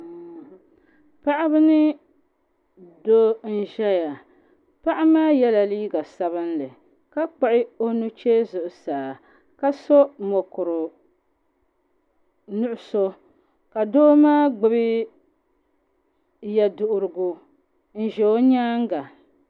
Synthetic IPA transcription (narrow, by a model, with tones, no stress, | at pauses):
pa˦ʔa˦bɨ˦nɨ˦ | do˦n̩˦ʒɛ˦ja˨ | pa˦ʔa˦maː˦jɛ˦la˨liː˦ɡa˨sa˦βɨ˦n˦lɨ˨ | ka˦k͡pa˨ʔɪ˦o˦nu˦t͡ʃe˦zʊ˨ʔʊ˨saː˨ | ka˦so˦mo˨kʊ˨ɾʊ˨ | nʊ˦ʔʊ˦so˦ | ka˨doː˦maː˦ɡ͡bɨ˦bɨ˦ | jɛ˨dʊ˨ʔʊ˨ɾɨ˨ɡu˨ | n̩˨ʒɛ˨o˦ɲaː˦ŋ˦ɡa˨